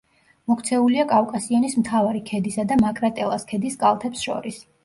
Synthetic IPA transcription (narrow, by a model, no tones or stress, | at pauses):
mɔkʰt̪sʰɛuliakʼakʼasianismt̪ʰavaɾikʰɛd̪isad̪amakʼɾat̪ʼɛlˠaskʰɛd̪iskʼalˠt̪ʰɛpsʃɔ̰ɾis